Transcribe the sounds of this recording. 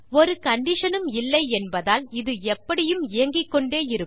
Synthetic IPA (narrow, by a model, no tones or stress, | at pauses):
ɔɾɯkɐɳɖɪʂɐnɯmɪlːɐɪɛnbɐðaːlɪðɯɛpːɐɽɪjɯmɪjɐŋɡɪkːɔɳɖeːɪɾɯ